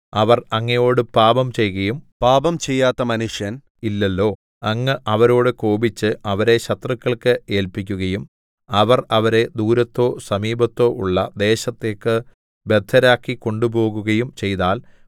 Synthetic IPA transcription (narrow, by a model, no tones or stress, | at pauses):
ɐʋɐrɐŋːɐjo̞ːɽɨpaːbɐmt͡ɕe̞jɣɐjumpaːbɐmt͡ɕejːaːt̪ːɐmɐnuʂjɐn | ilːɐlːo̞ː | ɐŋːɨʔɐʋɐɾo̞ːɽɨkoːbit͡ɕːɨɐʋɐɾe̞ɕɐt̪rɐkːɐɭkɨe̞ːlpikʲːuɣɐjum | ɐʋɐrɐʋɐɾe̞d̪uːɾɐt̪ːo̞ːsɐmiːbɐt̪ːo̞ːʔuɭːɐd̪e̞ːɕɐt̪ːe̞ːkːɨ | be̞d̪ʱːɐɾaːkːiko̞ɳɖubo̞ːɣuɣɐjumt͡ɕe̞jt̪aːl